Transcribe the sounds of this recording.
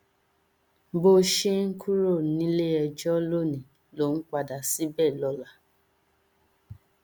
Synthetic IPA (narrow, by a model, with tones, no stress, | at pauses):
bo˦ʃe˦ŋ̩˦kʰu˦ɾo˦˨nĩ˦le˦ɛ˧d͡ʒɔ˦lo˦˨nĩ˨ | lo˦n̩˦k͡pa˧da˨si˦bɛ˦˨lɔ˧la˨